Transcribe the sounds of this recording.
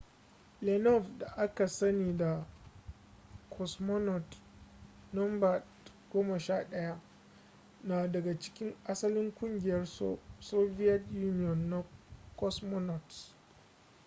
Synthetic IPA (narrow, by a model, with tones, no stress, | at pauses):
lɛ˨nɔ˦˨fda˨ʔa˦ka˨sɐ˦niː˨da˨ | kʰɔ˨smɔ˦nɔ˨t | nɔ˦mba˨t | ɡ̥oː˦ma˨ʃaː˦ɗɐ˦ja˦ | naː˨dɐ˨ɡa˨t͡ʃɪ̥˦kʲɪ˦ŋʔa˦sɐ˦lɪ˦ŋkʷʼʊ˦ŋɡʲɪ˦jɐ˦rso˦vi˦jɐ˦tjuː˦nɪ˦jɔ˨nːa˨kɔ˦smɔ˦nɔ˨t